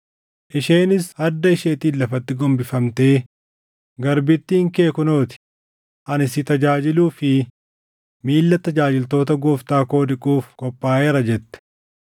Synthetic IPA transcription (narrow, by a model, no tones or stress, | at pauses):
ʔɪʃeːnɪshɐd̪ːɐɪʃeːt̪iːlːɐfɐt̪ːɪɡɔmbɪfɐmt̪e̞ː | ɡɐɾbɪt̪ːiːŋke̞ːkʊno̞ːt̪ɪ̥ | ʔɐnɪsɪt̪ɐd͡ʒaːd͡ʒɪluːfɪ | miːlːɐt̪ːɐd͡ʒaːd͡ʒɪlt̪o̞ːt̪ɐɡoːft̪aːko̞ːd̪ɪkʼuːfkɔpʼːaːeːɾɐd͡ʒɛt̪ːɛ̥